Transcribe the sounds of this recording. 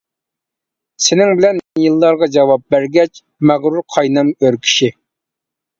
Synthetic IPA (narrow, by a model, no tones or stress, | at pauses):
sɪnɪŋbɪlɛnjilˠːɑɾʁɑd͡ʒɑwɑp̚bæɾɡʲɛt͡ʃ | mæʁɾuɾqʰɑjnɑmøɾkʲʰi̥ʃi